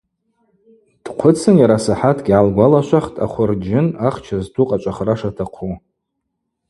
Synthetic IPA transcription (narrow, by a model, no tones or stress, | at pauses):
d̥qʷʰʊt͡sʰɨnjaɾasaħatʰɡʲalɡʷalaʃʷaχtʼa̰χʷʊrd͡ʒɪnaχt͡ʃʰaztʰuqʼat͡ʃʷʼaχraʂatʰaqʰu